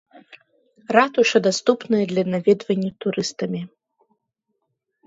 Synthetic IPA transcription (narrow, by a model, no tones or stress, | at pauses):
rat̪uʂɐd̪ast̪upnɨjɐd̪lʲɐnavʲɛd̪vɐnʲːɐt̪uɾɨst̪ɐmʲi